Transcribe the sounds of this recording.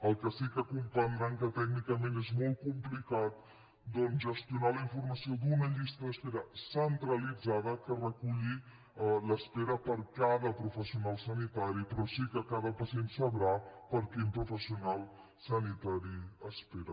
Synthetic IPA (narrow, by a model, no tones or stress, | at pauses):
əlˠkəsikəkumpənɾaŋkət̪ɛɡnikəmẽnezmolˠt̪̚kumplikat̪̚ | d̪ɔnʒəst̪iunaləiɱfuɾməsiod̪unəʎist̪əðəspeɾəsənt̪ɾəlid͡zað̞əkərəkuʎi | ləspeɾəpəɾkaðəpɾufəsiunalˠsənit̪aɾipɾɔsikəkaðəpəsient̪səβɾapəɾkimpɾufəsiunalˠ | sənit̪aɾiəspeɾə